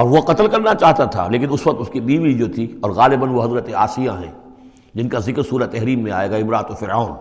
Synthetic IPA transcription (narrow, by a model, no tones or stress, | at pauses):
ɔːɾʋoqɐt̪əlkɐɾnat͡ʃaːɦt̪at̪ʰa̰leːkɪnʊsʋɐq̚t̪ʊskibiːʋid͡ʒoːt̪ʰiɔːɾɣaːlɪbənʋoɦɐzɾət̪ea̰ːsɪjaɦɛ̰̃ː | d͡ʒɪnkazɪkɾsuːɾat̪ɛɦɾiːmːẽa̰ːeːɡaɪmɾaːt̪ofɪɾaːn